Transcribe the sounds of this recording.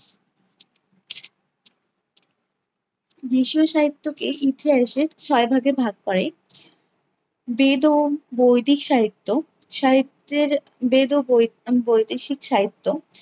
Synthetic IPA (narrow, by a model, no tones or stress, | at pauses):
d̪iʃioʃaɦit̪ːokeʔit̪ʰiaeʃet͡ɕʰɔebʱaɡebʱaɡ̚kɔɾe | bed̪obojd̪ʱikʃaɦit̪ːo | ʃaɦit̪eɾ | bed̪obojd̪iʃikʃaɦit̪ːo